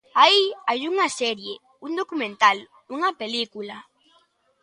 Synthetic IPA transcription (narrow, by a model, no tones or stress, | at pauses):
aiajuŋɐsɛɾje | uŋd̪okumẽnt̪al | uŋɐpelikulɐ